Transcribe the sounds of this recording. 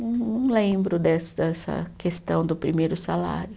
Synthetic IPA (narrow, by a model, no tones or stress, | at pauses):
nɐ̃w̃lẽbɾʊd̪ɛsd̪ɛsɐ̰kest̪ɐ̃w̃d̪ʊpɾimejɾʊsala̰ɾjʊ